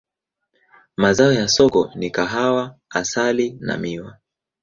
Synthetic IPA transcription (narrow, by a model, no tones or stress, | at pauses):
mazaɔjasɔkɔnikaɦawaasalina̰miwa